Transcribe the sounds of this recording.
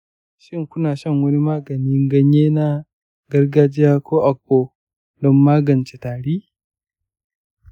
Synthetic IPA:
ʃɪ˦ŋkʷʊ˦naː˨ʃɐ˦˨ŋwɐ˦ni˦maː˦ɡɐ˨niː˦ŋɡɐ˦ɲjeː˦na˦ | ɡɐ˦rɡaː˦d͡ʒɪ˦jaː˦kʷoː˦ʔa˨k̚ʷːoː˦ | dɔ˦mːaː˦ɡɐ˨nt͡ʃe˨taː˨ɽiː˦

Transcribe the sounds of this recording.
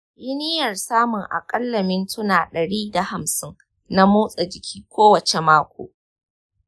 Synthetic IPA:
ʔɪ˦nɪ˦jɐ˨rsaː˦mʊ˨ŋʔa̰˨kʼɐ˦lːɐ˨mɪ˦ntʊ˦naː˨ɗɐ˨ɽiː˦da˨ha˨msɪ˦ŋ | na˦moː˦sʼa˨d͡ʒɪ˨kʲʰiː˦kʷoː˦wɐ˨t͡ʃe˨maː˦kʷo̰ː˨

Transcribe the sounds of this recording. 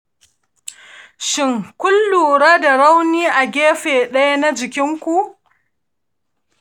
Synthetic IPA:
ʃɪ˦ŋkʷʊ˦lːuː˨ɽaː˦da˨ɾa˦wniː˦ʔa˨ɡʲeː˦ɸeː˨ɗɐ˦ja˦na˦d͡ʒɪ˨kʲɪ˦ŋkʷu˨ʔ

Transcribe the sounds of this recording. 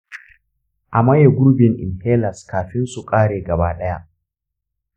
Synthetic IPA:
ʔa˨mɐ˦je˨ɡʷʊ˦ɾbɪ˨ŋʔɪ̰˨nheː˦lɐ˨skaː˨ɸɪ˦nsu˨kʼaː˦ɽeː˨ɡɐ˨baː˦ɗɐ˦ja˦ʔ

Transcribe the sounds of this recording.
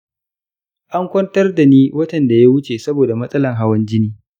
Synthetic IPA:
ʔa˦ŋkʷɐ˦ntɐ˦rda˨niː˦wɐ˦tɐ˨nda˨ja˦wʊ˦t͡ʃe˨sɐ˦boː˨da˨mɐ˦sʼɐ˦lɐ˨ŋɦa˦wɐ˦nd͡ʒɪ˦niː˦

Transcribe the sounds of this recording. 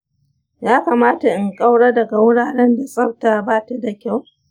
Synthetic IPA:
jaː˦kaː˨maː˦ta˨ʔɪ˨ŋkʼa˦wɽaː˦dɐ˨ɡa˨wʊ˦ɽaː˨ɽɛ˦nda˨sʼɐ˦wtaː˦˨baː˦˨ta˦da˨kʲa˦˨w

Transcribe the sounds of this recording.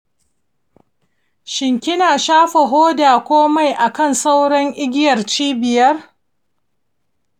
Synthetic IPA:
ʃɪ˨ŋkʲɪ˦naː˨ʃaː˦ɸe˨ɦoː˦daː˨kʷoː˦ma˦˨jʔa˨kɐ˦˨nsa˦wɽɐ˦ŋʔɪ˦ɡʲɪ˦jɐ˨rt͡ʃiː˦bɪ˨jɐ˦r

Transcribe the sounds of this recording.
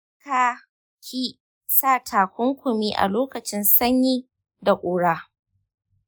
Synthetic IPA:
kaː˦ | kʰʲiː˦ | saː˦˨tʰaː˨kʷʊ˦ŋkʷʊ˨miː˦ʔa̰˨loː˦kɐ˨t͡ʃɪ˦nsɐ˦ɲjiː˦ | da˨kʷʼoː˨ɽaː˦

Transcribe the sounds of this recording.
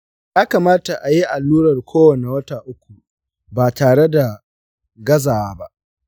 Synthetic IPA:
jaː˦ka˨maː˦ta˨ʔa˨ji˦ʔa˨lːuː˦ɽɐ˨rkʷʰoː˦wɐ˨ne˨wɐ˦taː˨ʔʊ˦kʷu˨ | baː˨taː˨ɽe˦da˨ | ɡɐ˦zaː˨waː˦ba˦ʔ

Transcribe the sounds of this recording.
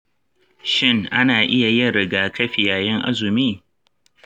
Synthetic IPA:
ʃɪ˦ŋʔa˦naː˨ʔɪ˦ja˨jɪ˦ɾɪ˨ɡaː˨kɐ˦ɸi˨jaː˨jɛ˦ŋʔa̰˦zʊ˨miː˦

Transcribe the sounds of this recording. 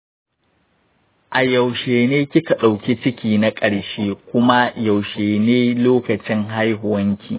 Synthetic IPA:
ʔa˨jɐ˨wʃeː˨neː˦kʲɪ˦ka˨ɗa˨wkʲi˦t͡ʃɪ˦kʲiː˨na˦kʼɐ˨ɽʃeː˦kʷʊ˦ma˦ja˨wʃeː˨neː˦loː˦kɐ˨t͡ʃɪ˦ŋɦa˦jɦʊ˨wɐ˦ŋkʲʰḭː˨

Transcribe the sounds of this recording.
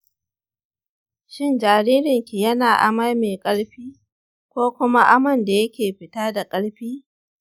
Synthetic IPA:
ʃɪ˦nd͡ʒaː˨ɾiː˦ɾɪ˨ŋkʲi˨jɐ˦naː˨ʔa̰˨ma˦jmeː˨kʼɐ˦ɽɸiː˦ | kʷoː˦kʷʊ˦ma˦ʔa˦mɐ˦˨nda˨jɐ˦kʲeː˨ɸɪ˨taː˦da˨kʼɐ˦ɽɸiː˦

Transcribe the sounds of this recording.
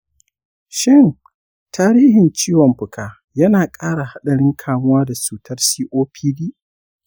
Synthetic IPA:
ʃɪ˦˨ŋ | tʰaː˦ɾiː˦hɪ˨nt͡ʃiː˦wɔ˨mɸʊ˨kʰaː˨ | jɐ˦naː˨kʼaː˦ɽa˨ha˦ɗɐ˨ɽɪ˦ŋkʰaː˨mʊ˦waː˦da˨suː˨tʰɐ˦rsiː˦ʔoː˦pʰiː˦diː˦ʔ

